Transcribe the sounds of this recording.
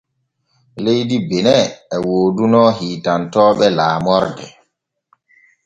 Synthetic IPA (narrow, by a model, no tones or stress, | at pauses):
lejdibenɛɛwoːdunɔɦiːtantɔːɓɛlaːmɔɾdɛ